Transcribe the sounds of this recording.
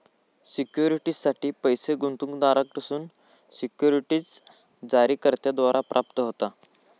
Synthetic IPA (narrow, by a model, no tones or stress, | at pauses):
sikjuɾiʈiːsaʈiːpəjseɡunt̪uŋkd̪aɾək̚t̪əsuːn | sikjuɾiʈiːt͡s | d͡zaɾiːkəɾt̪jad̪ʋaɾʔapɾʔap̚t̪əɦot̪a